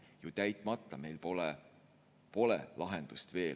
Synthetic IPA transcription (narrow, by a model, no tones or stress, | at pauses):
jut̪æjt̪ˑmɑt̪ˑːɑme̞jlpole | po̞lḛlɑɦend̪̥ust̪ve̞ː